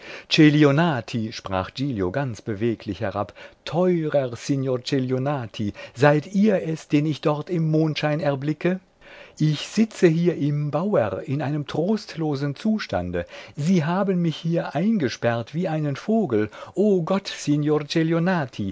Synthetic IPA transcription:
t͡ʃelionaːtʰiʃpʁ̥a̰ːχd͡ʒiːljoɡant͡sb̥əveːkʰlɪçhɛʁa̰ptʰɔʏʁɐʁsɪnjoːt͡ʃeljonaːtʰizaɪtiːɐɛsd̥eːnɪçd̥ɔʁtɪmːoːntʃaɪnɛɐblɪkə | ʔɪçz̥ɪt͡səɦiːɐʔɪmbaʊɐʁɪnʔaɪnəmtʁ̥oːstloːznt͡suːʃta̰ndə̰ziːɦaːbənmɪçhiːɐʔaɪnɡəʃpɛʁtv̥iːʔaɪnənfoːɡl̩ʔoːɡɔtsinjoːʁt͡ʃeljonaːtʰi

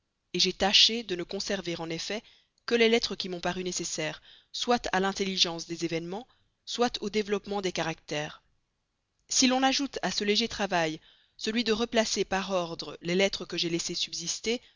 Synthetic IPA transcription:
eʒet̪aʃed̪ənəkɔ̃sɛʁveʁɑ̃nefɛ | kəlelɛt̪χəkʲimɔ̃paʁynesesɛːʁ | swat̪ʰalɛ̃t̪eliʒɑ̃sd̪ezevɛnmɑ̃ | swat̪ʰod̪evlɔpmɑ̃d̪ekaʁak̚t̪ɛːʁ | silɔ̃naʒut̪asəleʒet̪χavaj | səlɥid̪əʁəplasepaʁɔʁd̪ʁəlelɛt̪χəkəʒelesesybzist̪e

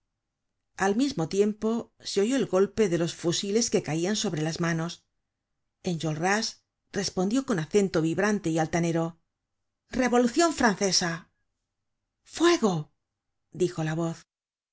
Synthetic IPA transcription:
almizmo̞t̪je̞mpo̞ | seo̞ʝo̞elɡo̞lpe̞ðe̞lo̞sfusile̞ske̞kaianso̞βɾe̞lazmano̞s | e̞nʝo̞lras | re̞spo̞nd̪jo̞ko̞naθe̞nt̪o̞βiβɾant̪e̞ialt̪ane̞ɾo̞ | re̞βo̞luθjo̞ɱfɾanθe̞sa | fwe̞ɣo | d̪ixo̞laβo̞θ

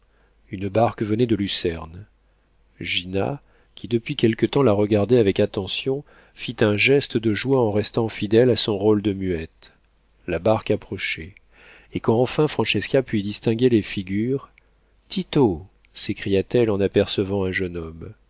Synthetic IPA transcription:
ynbaʁkvənɛd̪əlysɛʁn | ʒina̰ | kʲid̪əpɥikʲɛlkət̪ɑ̃laʁəɡaʁd̪ɛavɛkat̪ɑ̃sjɔ̃ | fit̪ɛ̃ʒɛst̪əd̪əʒwaɑ̃ʁɛst̪ɑ̃fid̪ɛlasɔ̃ʁold̪əmyɛt̪ | labaʁkapχɔʃe | ekɑ̃ːfɛ̃fχɑ̃ʃɛskapɥid̪ist̪ɛ̃ɡʲelefiɡʲyʁ | t̪it̪o | sekχijat̪ɛlɑ̃napɛʁsəvɑ̃ɛ̃ʒənɔm

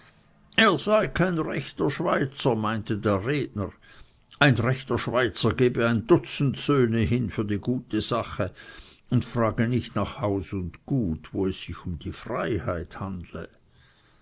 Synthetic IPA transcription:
eːɐz̥aɪkʰaɪnʁɛçtɐʃv̥aɪt͡sɐmaɪntədeːɐʁeːdnəʁ | ʔaɪnʁɛçtɐʃv̥aɪt͡sɐɡeːbəaɪndʊt͡sn̩tsøːnəɦɪnfyːɐdiːɡuːtʰəz̥aχəʊntfʁ̥aːɡənɪçtnaːχhaʊsʊntɡ̥uːtvoːɛsːɪçʊmd̥iːfʁaɪhaɪthandlə̰

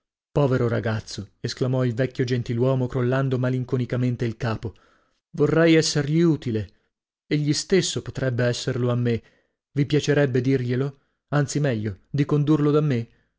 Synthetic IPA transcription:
pɔːveɾoɾa̰ɡat̪sːoesklamɔilvɛkʲːjod͡ʒent̪ilwɔːmokɾolːand̪omaliŋkonikament̪eilkaːpo | vorːɛjɛsːerʎiuːt̪ile | eʎːist̪esːopot̪ɾɛbːeɛsːerloamːe | vipjat͡ʃeɾɛbːed̪irʎelo | ant̪simɛʎːod̪ikond̪urlod̪amːe

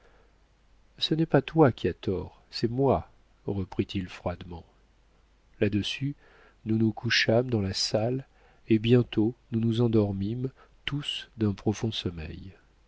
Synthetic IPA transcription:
sənɛpat̪wakʲiat̪ɔʁ | sɛmwa | ʁəpχit̪ilfχwad̪mɑ̃ | lad̪əsy | nunukʰuʃamd̪ɑ̃lasal | ebjɛ̃t̪onunuzɑ̃d̪ɔʁmim | t̪usd̪ɛ̃pχɔfɔ̃sɔmɛ̰j

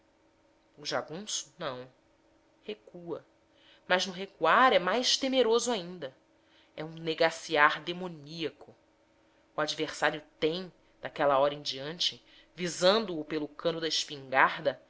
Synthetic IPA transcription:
ʊʒaɡũsʊ̥nɐ̃w̃ | hekuɐ | mɐznʊɦekuaɾɛmajʃt̪emeɾozʊaĩnd̪ɐ | ɛũneɡasiaɾd̪emoniɐkʊ | uad͡ʒiveχsaɾjʊt̪ẽj̃ | d̪akɛlɐɔɾɐẽd͡ʒiɐ̃nt͡ʃɪ | vizɐ̃nd̪ʊːpelʊkʰɐ̃nʊd̪ɐiʃpĩŋɡaɾd̪ɐ

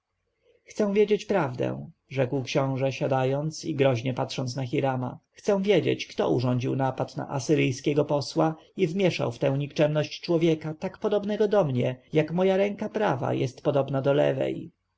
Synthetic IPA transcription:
xt̪sɛ̃w̃vʲjed͡ʑet͡ɕpɾavd̪ɛ̰̃w̃ʐɛkwkɕɔ̃w̃ʐɛɕad̪ajɔnt̪siɡɾɔʑɲɛpat̪ʂɔnt̪snaxiɾama̰xt̪sɛ̃w̃vʲjed͡ʑḛt͡ɕkt̪ɔ̰ṵʐɔɲd͡ʑiwnapat̪na̰ʔasɘɾɘjskʲɛɡɔpɔswaivmʲjɛʂa̰wft̪ɛ̃w̃ɲikt͡ʂɛmnɔɕt͡ɕt͡ʂwɔvʲjɛkat̪akpɔd̪ɔbnɛɡɔd̪ɔmɲɛjakmɔjaɾɛŋkapɾava̰jɛst̪pɔd̪ɔbnad̪ɔlɛ̰vɛ̰j

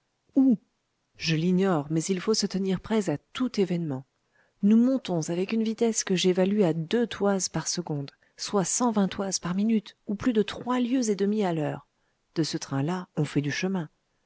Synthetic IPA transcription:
u | ʒəliɲɔʁmɛzilfosət̪əniʁpχɛzat̪ut̪evɛnmɑ̃ | numɔ̃t̪ɔ̃zavɛkynvit̪ɛskəʒevalyad̪øt̪ʰwazpaʁsəɡɔ̃d̪ | swasɑ̃vɛ̃t̪wazpaʁminyt̪uplyd̪ət̪χwaljøzed̪əmialœːʁ | d̪̥əsət̪χɛ̃laɔ̃fɛd̪yʃəmɛ̃

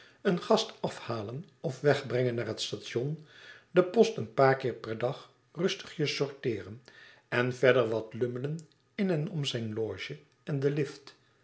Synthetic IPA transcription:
ənχɑstɑfhaːlənɔfʋɛχbrɛŋənːaːɹɦətstaːtʃɔndəpɔstənpaːɹkɪːɹpɛɹdɑχ | rɵstə̥χjəsɔɹtɪːrən | ɛnvɛɹdəɹʋɑtlɵmələn | ɪnɛnɔmzɛjnloːʒə | ɛndəlɪft

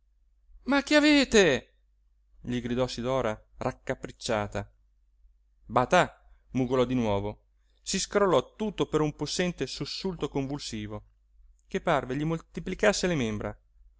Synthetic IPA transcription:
makiaveːt̪e | ʎiɡɾid̪ɔsid̪ɔːɾa | rakːapːɾit͡ʃːaːt̪a | bat̪a | muɡolɔd̪inwɔːvo | siskɾolːɔt̪ut̪ːopeɾumposːɛnt̪esusːult̪okoɱvulsiːvo | kepːarveʎimolt̪iplikasːelemembɾa̰

